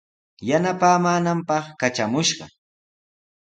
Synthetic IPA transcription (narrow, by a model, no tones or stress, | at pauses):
janapaːmaːnampɑχkat͡ʃamʊʃɢɑ̰